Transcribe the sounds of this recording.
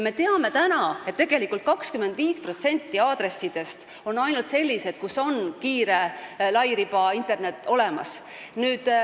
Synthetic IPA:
me̞t̪e̞ɑme̞t̪ænɑet̪ːe̞ɡ̥e̞likːˑult̪̚kɑkskyme̞nd̪viːspro̞t̪se̞nʲt̪ːiɑːd̪̥ɾe̞sːid̪̥e̞st̪ | o̞nːɑjnult̪se̞lʲːise̞t̪kuso̞nkiːɾe̞lɑjɾipɑint̪ˑe̞rne̞t̪ːˑo̞lemɑs | nyːd̪̥

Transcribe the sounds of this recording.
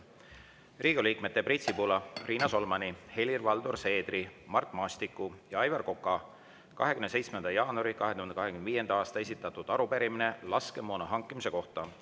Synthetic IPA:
riːɡ̥uliːkme̞t̪ːe̞prit̪sipulɑriːnɑso̞lmɑnihe̞lʲirvɑld̪urse̞ːd̪̥rimɑrt̪ˑmɑːst̪ikːˑujɑɑjvɑrko̞kːˑɑ | kɑ̰ɦe̞kymnese̞jt̪smend̪̥ɑjɑːnuɑɾikɑɦet̪uhend̪ekɑɦekymnd̪viːje̞nd̪ɑɑːst̪ɑes̬it̪ːˑɑt̪ːˑud̪̥ɑɾupe̞ɾimine̞lɑske̞moːnɑɦɑŋkːˑimise̞ko̞ht̪ɑ

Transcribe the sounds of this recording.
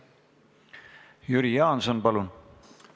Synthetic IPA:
juɾijɑːnsonpɑlun

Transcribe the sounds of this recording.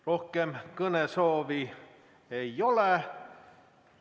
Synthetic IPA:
rohkemkɤnesoːʋi | eiole

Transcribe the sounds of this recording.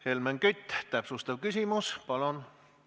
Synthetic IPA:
helmæŋkyt̪ʲːˑt̪æpsust̪ɑʋkysʲimuspɑlon

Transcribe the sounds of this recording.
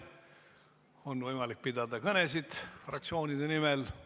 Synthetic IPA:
o̞nvɤjmɑlik̚pid̪̥ɑd̪ɑkɤnesid̪̥frɑk̚t̪sio̞ːnʲid̪̥enimel

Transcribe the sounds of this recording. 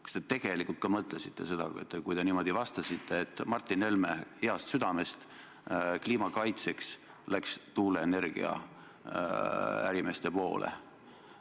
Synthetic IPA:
kst̪et̪e̞ɡ̥e̞likult̪̚kɑmɤt̪ˑlesit̪ːe̞se̞d̪̥ɑ̰ket̪ːˑkujd̪e̞niːmo̞d̪ivɑst̪ɑsit̪ʰːe̞ːt̪ːˑmɑrt̪ːˑine̞lme̞eɑst̪syd̪̥ɑme̞st̪ | kliːmɑkɑjt̪se̞ks | lækst̪uːle̞ene̞rɡ̥ḭɑ̰ | æ̰ɾime̞st̪e̞po̞̰ːlʔḛ

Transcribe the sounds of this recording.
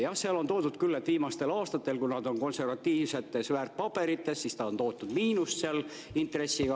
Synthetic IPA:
jɑhseɑlo̞nt̪o̞ːd̪ud̪̚kylːet̪viːmɑst̪e̞lɑːst̪ɑt̪ːˑe̞lkunɑd̪o̞nko̞nse̞rvɑt̪ːiːvse̞t̪ːˑe̞svæːrt̪̚pɑb̥e̞ɾit̪ˑːe̞ssist̪ɑo̞nt̪oːt̪ːˑud̪̥miːnusseɑl | int̪re̞sːiɡ̥ɑ

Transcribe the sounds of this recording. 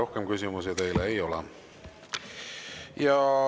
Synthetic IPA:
o̞hkemkys̬ʲimus̬it̪e̞jleːjolɛ̰ | jɑ

